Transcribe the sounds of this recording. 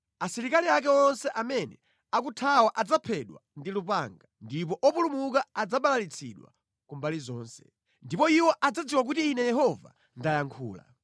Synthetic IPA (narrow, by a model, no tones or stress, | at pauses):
asiɾikaliak̬ɛɔnsɛʔamɛnɛ̰ | akutʰawaʔad͡zapʰɛɗwa̰ndilupa̰ŋɡandip̬ɔʔɔpulumukaːd͡zaɓalalit͡sʰḭɗwa̰ | kumbalizɔːnsɛ̥ | ndipɔiwɔʔad͡zad͡ziwak̬utiːnɛjɛɦɔva̰ | ndajaŋkʰuːla̰